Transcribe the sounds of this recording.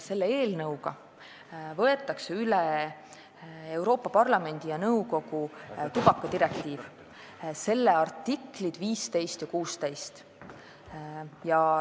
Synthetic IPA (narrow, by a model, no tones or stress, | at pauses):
se̞lːeeːlnɤwɡ̥ɑ | vɤ̞e̞t̪ːˑɑkseyle | ewɾo̞ːpːˑɑpɑrlɑme̞nʲd̪̥ijɑnɤwko̞ɡut̪ub̥ɑkːˑɑd̪iɾe̞kt̪iːv | se̞lːeɑrt̪ːikˑlid̪̥viːst̪e̞jst̪jɑkuːst̪ejst̪ | jɑ